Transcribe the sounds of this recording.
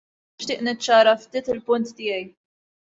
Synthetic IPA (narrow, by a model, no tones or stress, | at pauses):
ɪʃt̪ɪːʔnɪt͡ʃːɐːɾɐft̪iːt̪ɪlpʊnt̪ːɪːjɛj